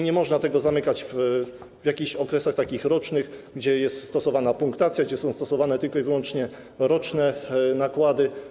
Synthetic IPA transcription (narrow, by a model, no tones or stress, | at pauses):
ɲɛmɔʐnat̪ɛɡɔzamɘkat͡ɕv | vʲjakʲiɕɔkɾɛsaxt̪akʲixɾɔt͡ʂnɘxɡd͡ʑɛjɛst̪st̪ɔsɔvanapuŋkt̪at̪sʲjaɡd͡ʑɛsɔ̃w̃st̪ɔsɔvanɛt̪ɘlkɔivɘwɔnt͡ʂɲɛ | ɾɔt͡ʂnɛnakwad̪ɘ